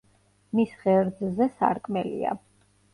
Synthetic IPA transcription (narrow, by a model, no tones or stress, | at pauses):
misʁɛɾd̪zzɛsa̰ɾkʼmɛlḭa̰